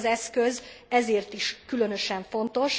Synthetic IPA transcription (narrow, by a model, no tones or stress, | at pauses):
zɛskøzɛzeːrt̪iʃkylø̞nø̞ʃɛɱfo̞nt̪o̞ʃ